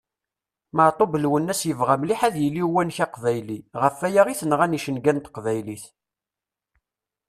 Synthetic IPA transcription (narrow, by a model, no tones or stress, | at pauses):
məʕt̪ˤobəlwənːæsjəvʁamliħæðjəlːiwænçæqvæjliʁəfːæjaʁiθənʁæniʃənɡænt̪qvæjliθ